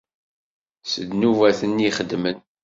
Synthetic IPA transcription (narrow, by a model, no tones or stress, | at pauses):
səd̪nuvæθəniχəd̪mən